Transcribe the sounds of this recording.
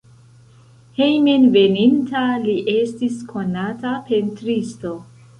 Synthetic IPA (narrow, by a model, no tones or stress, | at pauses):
hejmenve̞nintaliʔe̞stiskʰo̞natape̞ntɾisto̞